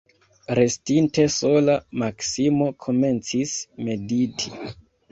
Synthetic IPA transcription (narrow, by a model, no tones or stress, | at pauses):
ɾe̞stinte̞so̞lamaksimo̞kʰo̞me̞nt͡sisme̞ditʰi